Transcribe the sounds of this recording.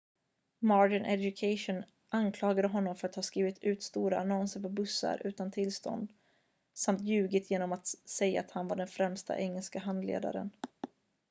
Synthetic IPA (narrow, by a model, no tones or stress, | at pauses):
mɑːɖɪnʔɛd̪ʊkʰaʂʊn | ʔankʰlɑːɡad̪əɦɔnːɔmfœɾat̪hɑːskɾiːvɪt̪ʰʉ̟ːt̪st̪uːɾaːnɔnsəɾpɔbɵsːa̰ɾʔʉ̟ːt̪ant̪ʰɪlst̪ɔ̰nd̪ | samt̪jʉ̟ːɡɪt̪ʰjeːnɔmat̪sɛjːa̰ːt̪hanvaɖɛnfɾɛmst̪a̰ʔɛŋːɛlskaɦand̪lḛːd̪a̰ɾə̰n